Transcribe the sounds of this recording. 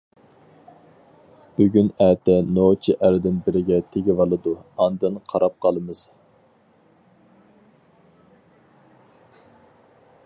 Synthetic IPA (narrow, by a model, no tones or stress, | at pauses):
b̥yɡʲynæːt̪ʰɛnot͡ʃʰiʔæɾɪd̪ɪnbɪɾɪɡʲɛt̪ʰeɡʲɪvɑlˠɨd̪uɑnd̪ɨnqʰɑɾɑp̚qʰɑlˠɨmɨz̥